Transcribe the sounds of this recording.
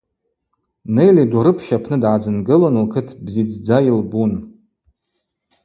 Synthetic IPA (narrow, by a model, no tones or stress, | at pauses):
nejlidaɾɨpʰʃapʰnɨdʕad͡zɨnɡɨlonɨlkʰɨtʰbzid͡zd͡zajilbun